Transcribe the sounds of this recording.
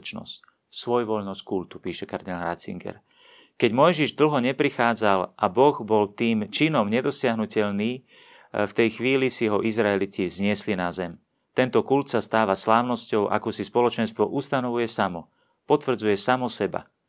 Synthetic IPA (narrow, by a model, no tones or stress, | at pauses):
t͡ʃnɔ̰sc | sʋɔjʋɔʎnɔsckult̪upiːʃɛkaɾd̪ɛnaɾa̰t͡sḭŋɡɛ̰ɾ | kɛɟmɔjʒiʒd̪l̩ɦɔɲɛpɾixaːd͡zalʔabɔɣbɔlt̪iːmt͡ʃinɔmɲɛd̪ɔsɪaɦnucɛʎniː | ft̪ɛjxʋiːlisiɦɔʔizɾaɛlicizɲɪɛslinazɛm | t̪ɛnt̪ɔkult̪sast̪aːʋaslaːʊnɔscɔʊʔa̰kusispɔlɔt͡ʃɛnst̪ʋɔʔust̪anɔʋujɛsamɔ | pɔt̪ʋr̩d͡zujɛsamɔsɛba̰